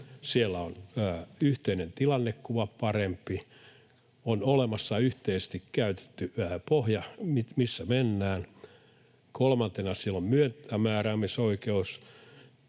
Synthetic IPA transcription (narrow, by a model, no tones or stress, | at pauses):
sielːæonːyht̪einent̪ilɑnːekkuʋɑppɑrempːi | onolemɑsːɑyht̪eise̥st̪ikkæyt̪e̥t̪ːyæpohjɑmitmisːæmenːæːn | kʰolmɑnt̪enɑsielːommyønt̪æmæːræːmisoikeus